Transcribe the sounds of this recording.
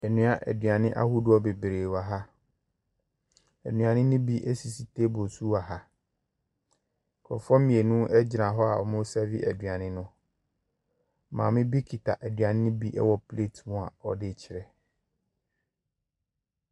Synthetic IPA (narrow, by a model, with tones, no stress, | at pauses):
ɛ˨nũ˦a˨ʔæ̰˨dɥa˨nɪ̃˦ʔa̰˦hu˦du˦ɔ˦be˨bɾeː˨wa˨ɦa˦ | æ̰˨nũ˨a˨nɪ̃˦nʊ̃˦bi˦ʔɛ˦si˨si˨tʰe˦bo˨su˦a˨ɦa˦˨ | kʰɔ̰˨fɔ˦mĩ˨e˨nũ˦ʔɛ˦d͡ʑɪ˨nã˨ɦɔ˦a̰˨ɔ̰˨mʊ̃˦sɛ˦vi˦ʔæ˨dɥa˨nɪ̃˦nʊ̃˦ | mã̰ː˨˦mɪ̃˦bi˦kʰi˨tʰa̰˨ʔæ˨dɥa˨nɪ̃˦nʊ̃˦bi˦ʔɛ̰˦wɔ˨pʰle˦˨tʰmʊ̃˦a˨ɔ˦dɪ˦t͡ɕʰɪ˨ɾɛ˨